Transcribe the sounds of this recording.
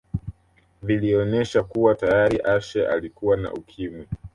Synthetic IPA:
viliɔnɛʃakuwatajaɾiʔaʃɛʔa̰likuwana̰ʔukʰimwi

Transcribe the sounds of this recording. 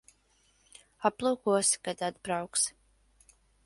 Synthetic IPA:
aplˠuːkuɔsi̥kad̪ad̪bɾawks

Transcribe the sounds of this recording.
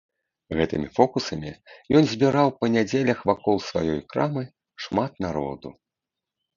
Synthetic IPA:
ɣɛt̪ɨmʲifɔkusɐmʲijɔnzʲbʲiɾawpɐnʲad͡zʲelʲɐxvakɔlˠsva̰jɔjkɾamɨ | ʂmat̪naɾɔ̰d̪ṵ

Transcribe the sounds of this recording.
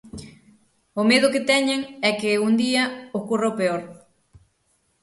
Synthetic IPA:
omeðʊkɪt̪ɛɲeŋɛkeund̪iɐohkurowpeoɾ

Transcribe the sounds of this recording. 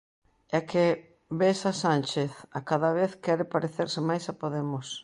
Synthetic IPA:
ɛke | besasanʲt͡ʃeθakaðɐβeθkɛɾɪpaɾeθeɾsɪmajsapoðemʊs

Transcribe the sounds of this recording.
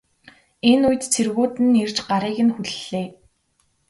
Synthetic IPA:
enujɘ̆t̪t͡sʰerɣuːt̪ɘ̆nert͡ɕɢaɾiːɣɘ̆nxuɮeː

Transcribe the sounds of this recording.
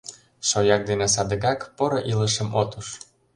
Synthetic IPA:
ʃojɑk̚d̪enes̬ɑd̪ə̆ɣɑkpoɾɤʔiləʃə̆mot̪uʃ

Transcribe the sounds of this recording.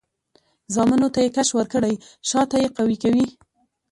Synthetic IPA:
zɑmənot̪ajekaʃwəɾkəɽajʃɑt̪ajeqawikawi

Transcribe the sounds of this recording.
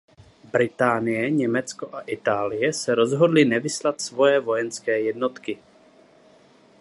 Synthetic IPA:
bɾɪt̪aːnɪjɛɲɛmɛt͡sko̞ʔaʔɪt̪aːlɪjɛsɛɾo̞zɦo̞dlɪnɛvɪslat̪svo̞jɛvo̞jɛnskɛːjɛdno̞t̪kɪ

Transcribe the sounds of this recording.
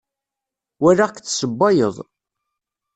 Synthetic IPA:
wæɾakθsəbːɑjə̰ðˤ

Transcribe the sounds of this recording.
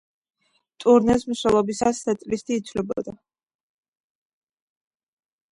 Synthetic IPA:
t̪ʼuɾnɛsmswɛlˠɔbisasːʰɛt̪sʼlist̪ʰiːt̪sʰlɛbɔ̰d̪a

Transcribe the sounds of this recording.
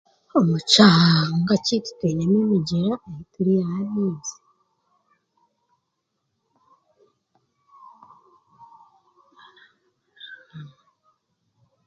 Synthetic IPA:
omut͡ʃaaŋɡacitu̥tweɲamemiɟiɾaehituɾijahaniːzi

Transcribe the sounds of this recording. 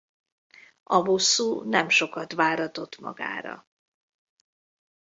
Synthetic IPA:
ɒɦosːuːnɛmʃo̞kɒt̪vaːɾɒt̪o̞t̪mɒ̰ɡa̰ːɾɒ̰

